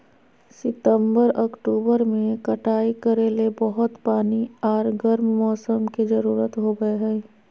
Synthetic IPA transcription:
sɪt̪ə̃mbəɾɔkʈuːbəɾmẽkɐʈʰaːikɐɾeːlebɔɦʊt̪paːniɔːɾɡəɾmmɔːsəmkizɐɾuːɾət̪ɦoɡɐeɦɛː

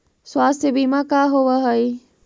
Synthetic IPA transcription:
swaːst̪ʰebiːmãkaɦoʋaɦəi

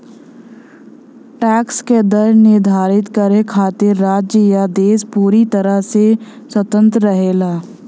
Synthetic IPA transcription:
ʈɛːksked̪əɾnɪɾd̪ʱaːɾɪt̪kəɾekʰaːt̪eɾːaːd͡ʒjəjad̪eːspuːɾit̪ɐɾəɦseswət̪ə̃nt̪ɾəɾəɦeːlaː

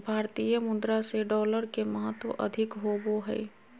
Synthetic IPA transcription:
bʱaːɾt̪ijəmʊd̪ɾaseɖɔːləɾkeməɦət̪wə̰ʔə̰d̪ʱɪkɦoboɦɛ̰

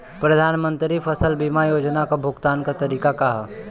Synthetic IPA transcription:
pɾɐd̪ʱaːnmə̃nt̪ɾifʰəsəlbimajoːd͡ʒnakabʱʊɡt̪aːnkat̪ɐɾiːkakaɦ

